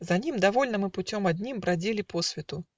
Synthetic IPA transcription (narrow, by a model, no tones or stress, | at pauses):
zanʲimd̪avɔlʲnɐmɨput͡sʲɔmad̪ʲnʲimbɾad͡zʲilʲipɔsʲvʲɛt̪u